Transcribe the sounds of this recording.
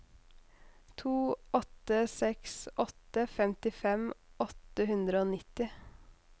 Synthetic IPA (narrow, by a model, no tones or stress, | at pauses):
t̪ʰuːɔt̪əsɛksɔt̪əfɛmt̪ɪfɛmɔt̪əhʉnd̪ɾəoːnɪt̪ɪ